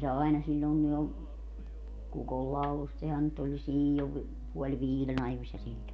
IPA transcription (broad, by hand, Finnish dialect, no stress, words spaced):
se ɑinɑ silʲːoˑiŋki jo kukolːɑulust sehæn nyt olʲ jo silʲːoʋ puolʲ ʋiːlen ɑjosʲːɑ silʲːon